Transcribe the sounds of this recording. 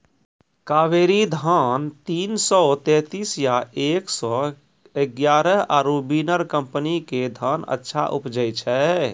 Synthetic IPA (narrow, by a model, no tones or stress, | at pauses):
kaːʋeɾid̪ʱant̪iːnsɔt̪ɛ̃t̪isjaʔeːksɔ | eɡjaːɾəɦaɾubinəɾkəmpəniked̪ʱanə̰tːʃʰa̰ʔṵpd͡ʒəjt͡ʃʰɛ